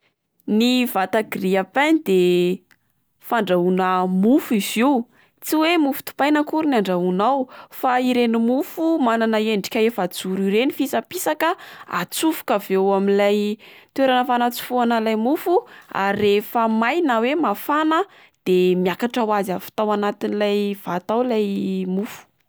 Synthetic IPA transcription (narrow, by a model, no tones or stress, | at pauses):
nivat̪aɡiriapand̪e | faɳɖ͡ʐaunəmufuiziw | t͡siwemufu̥t̪u̥pajnəkuɾuniaɳɖ͡ʐaunawfaiɾenimufumananaeɳɖ͡ʐi̥kʲaefad͡zuɾiɾenifisapisakəa̰t͡sufu̥kavewaminlaj | t̪weɾanəfanat͡su̥fuanəlajmufua̰ɾiefəmajnawemafanə | d̪̥emjakaʈ͡ʂawazafi̥t̪awanat̪inilajv̥at̪awlajmufu̥